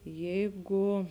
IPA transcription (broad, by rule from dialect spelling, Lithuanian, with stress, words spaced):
ˈjɛɪɡʊ